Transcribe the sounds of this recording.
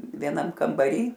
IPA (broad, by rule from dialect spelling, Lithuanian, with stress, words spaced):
ʋʲiɛˈnɐm kɐmbɐˈrʲiː